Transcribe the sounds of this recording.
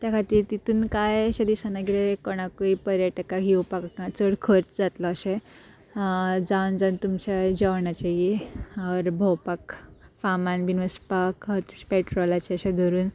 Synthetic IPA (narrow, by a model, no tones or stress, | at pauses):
t̪jakʰat̪iːɾt̪it̪uːnkajəɕad̪isanaɡiɾekɔɽ̃akuipəɾjəʈəkaɦiwpakãt͡səɽkʰəɾt͡sd͡zat̪lɔːɕẽ | d͡zawnd͡zant̪umt͡ɕad͡ʑəʋɳat͡ɕejiaʋəɾbʱɔwpakfamanbinʋəspak̪peʈɾɔlat͡ɕeəɕed̪ʱoɾuːn